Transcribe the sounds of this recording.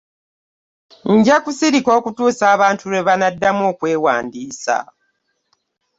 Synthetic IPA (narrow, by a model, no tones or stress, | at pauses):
ɲɟakusiɾiko̞ːkutuːsaːβaːntʰuɾeβanadːamo̞ːkwe̞ːwa̰ːndiːsa̰